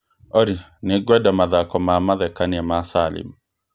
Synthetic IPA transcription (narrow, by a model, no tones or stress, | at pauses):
ɔɾi | neɡwɛdamaðakɔmamaðɛkaniɛmasalɪ̰m